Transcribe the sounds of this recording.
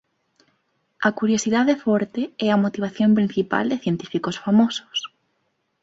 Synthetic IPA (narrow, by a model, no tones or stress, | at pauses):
ɐkuɾjosiðaðefɔɾt̪eɛɐmot̪iβ̞aθjompɾin̟θipa̰ld̪eθjent̪i̥fikosfamosʊ̥s